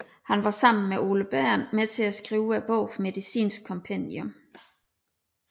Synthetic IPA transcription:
hænʋɑ̈sɑ̈m̰n̩meʔo̝ːləb̥æɐ̰nmet͡sʰe̝læsɡ̥ʁiːʊæb̥ɔʊ̰fme̝ðisḭːnsɡ̥̚kʰɒ̽mpʰend̥jɔ̽m

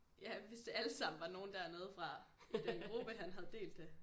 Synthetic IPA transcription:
jæʋe̝sd̥e̝æləsɑ̈m̰n̩ʋɑ̈no̝ːn̩d̥æɐneːð̞ˠfʁɑ̈id̥enɡ̥ʁub̥əɦænɦæð̞ˠd̥e̝̰ːld̥e

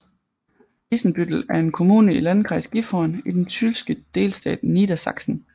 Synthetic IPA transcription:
isn̩b̥yd̥l̩æɐe̝nkʰo̝mṵːnəilænkʰʁɑsɡ̥ifɒnid̥ent͡sʰylsɡ̥əd̥e̝̰ːlsd̥ɛ̰ːd̥nid̥æsɑ̈ɡ̥sn̩

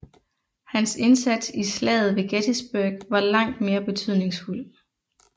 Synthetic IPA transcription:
hænse̝nsæd̥sislɛ̰ːð̩ˠʋe̝ɡ̥ed̥ʰisb̥øɐɡ̥ʋɑ̈lɑ̈ŋ̰d̥me̝ːɐb̥e̝t͡sʰyð̞̰ˠne̝ŋsful̰

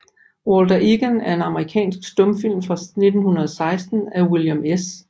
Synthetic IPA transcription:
wold̥ɐʔiɡ̥ənæɐe̝nɑ̈məʁikʰɛ̰ːnsɡ̥sd̥ɔ̽mfil̰mfʁɑ̈ne̝d̥n̩hunɐð̞ˠsɑ̈ɪsd̥n̩æwiljɐmes

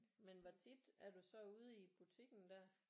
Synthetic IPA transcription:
menʋɒt͡sʰid̥æɐd̥usɒ̽uːð̞ˠib̥ut͡sʰiɡ̥n̩d̥æɐ̰

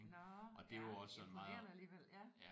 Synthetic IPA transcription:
ŋʔɒ̽d̥e̝ʋɒ̽sɒenmɑ̈ːð̩ˠlieljæ

